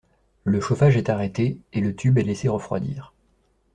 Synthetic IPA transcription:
ləʃofaʒɛt̪aʁɛt̪eelət̪ʰybɛleseʁəfχwa̰d̪ḭːʁ

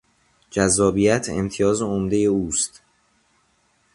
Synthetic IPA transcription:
d͡ʒæzːɒːbijæt̪ʰe̞̰mt̪ʰijɒːzeomd̪e̞je̞uːst̪

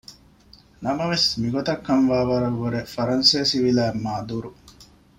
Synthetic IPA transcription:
nɐmɐʋesmiɡot̪ɐkːɐnʋaːʋɐɾɐʋːuɾefɐɾɐnseːsiʋilæːmːaːd̪uɾu

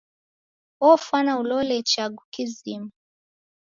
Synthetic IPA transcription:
ɔfwanaulɔlɛt͡ʃaɡukizimu

